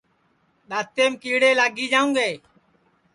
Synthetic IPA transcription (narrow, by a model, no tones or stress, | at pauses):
ɗaːt̪eːmkiːɽeːlaːɡiːd͡ʒaːũːɡeː